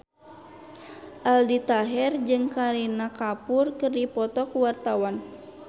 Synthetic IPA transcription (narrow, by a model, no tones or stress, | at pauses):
ʔaldit̪aɦɛrd͡ʒɨŋkaɾinakapʊrkɨrdipɔt̪ɔkuwart̪awan